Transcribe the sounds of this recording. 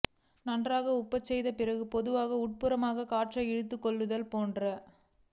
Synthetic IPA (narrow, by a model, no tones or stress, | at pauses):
nɐndraːɣɐʊpːɐt͡ʃːɛjðɐpɪrɐɣɯpɔðɯʋaːɣɐʊʈ̚pɯɾɐmaːɣɐkaːʈʂɐɛɽɯt̪̬ːɯkːɔɭːɯðɐlpoːndrɐ